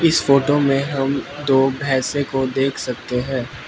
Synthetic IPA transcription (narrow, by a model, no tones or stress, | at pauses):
ɪsfoːʈomẽɦɐmd̪oːbʱɛːsekod̪eːkʰsɐk̚t̪eɦɛ̃ː